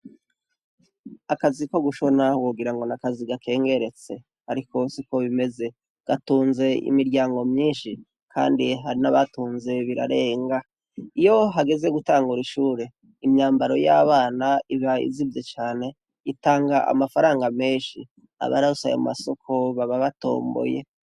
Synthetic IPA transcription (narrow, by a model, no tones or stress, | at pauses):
akaziko̞ɡuʃo̞nawuɡiɾaŋɡo̞nakaziɡakʰe̞ːŋɡe̞ɾe̞t͡se̞ | haɾiko̞siko̞βime̞ze̞ | ɡ̥atuːnze̞ḭmiɾɟaːŋɡo̞mɲiːnʃi | kʰa̰ːndiɦaɾinaβatuːnze̞βiɾa̰ɾe̞ːŋɡa | ijo̞ɦaɡe̞ze̞ɡutaːŋɡuɾiʃuːɾe̞ | imɲaːmbaɾo̞jaβaːnaiβaḭzivjet͡ʃaːne̞ | itaːŋɡaʔa̰mafaɾaːŋɡame̞ːnʃḭ | a̰βa̰ɾausajo̰ma̰so̞kʰo̞βaβaβato̞̰ːmbo̰je